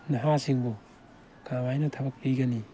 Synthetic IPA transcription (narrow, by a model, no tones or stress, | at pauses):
nɐɦasiŋbu | kawajnɐtʰɐbɐk̚piɡɐni